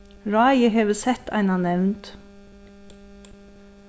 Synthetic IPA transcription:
ɹɑːjəɦeːʋəsɛt̪ʰæ̰ɪnɑnɛʋnt̪

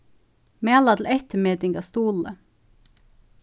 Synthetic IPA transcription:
meɑlɑd̪l̩ʔɛt̪əmeːd̪ɪŋɡɑst̪uːlə̰

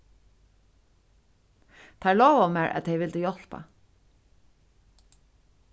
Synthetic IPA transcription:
t̪ʰæːlɔːʋaʊmæːɹʔɛ̰t̪̚eɪʋɪld̪əjɔl̥pa̰

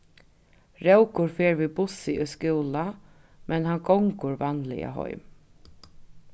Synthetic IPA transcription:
ɾɛwkʊɹfeːɹviːbʊsɪʔʊskɪːla | mʔɛnhankɔŋkʊɹvanlɪ̰ja̰ɦɔ̰ʏm

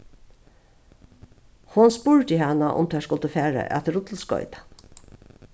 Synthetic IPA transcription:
hʊnspuːɹt̪ɪhanaʔʊ̰mt̪ʰɛːskʊlt̪əfæːɹə̰ʔæ̰t̪ɾʊt̪l̩skɔ̰ʏt̪ḁ

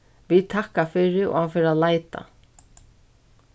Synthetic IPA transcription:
ʋit̪ʰahkafɪɾɪʔo̰afɪɾalajt̪a̰

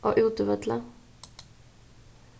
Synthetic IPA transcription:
ʔo̰ːʔʉːt̪əʋɛd̪lə

